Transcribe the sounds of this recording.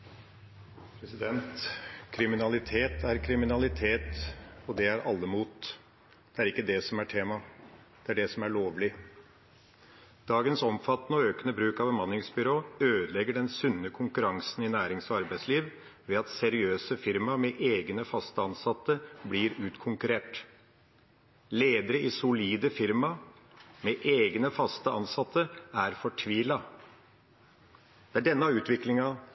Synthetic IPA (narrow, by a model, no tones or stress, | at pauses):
pʰɾɛsɪd̪ɛnt̪kʰɾɪmɪnɑlɪt̪ʰeːt̪ʰæɾkʰɾɪmɪnɑlɪt̪ʰeːt̪ɔd̪ɛæɾʔɑlːəmuːt̪ | d̪̥ɛæɾɪkːəd̪ɛsɔmæʈʰeːmɑ | d̪̥ɛæɖɛsɔmæɭoːʋlɪ | d̪̥ɑːɡənsɔmfɑt̪nəɔøːkənəbɾʉːkɑʋbəmɑnːɪŋsbʏɾoːøːd̪əlɛɡəɖɛnsʉnːəkʰʊŋkʉɾɑŋsn̩ɪnæːɾɪŋsɔɑɾbæɪsliːʋ | ʋɛːɑt̪sɛɾɪøːsəfɪɾmɑmɛʔeːɡnəfɑst̪əɑnsɑt̪ːəbliɾʉːt̪kʰʊŋkʉɾeːʈ | leːd̪əɾəɪsʊliːd̪əfɪɾmɑmeːʔeːɡnəfɑst̪əɑnsɑt̪ʰːəæɾfɔʈʰʋiːlɑ | d̪̥ɛæɖɛnːəɑʉːt̪ʰʋɪklɪŋɑ